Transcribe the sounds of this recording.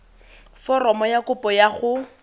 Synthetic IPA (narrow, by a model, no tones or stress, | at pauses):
fɔrɔmɔjakʊpʼɔjaχʊ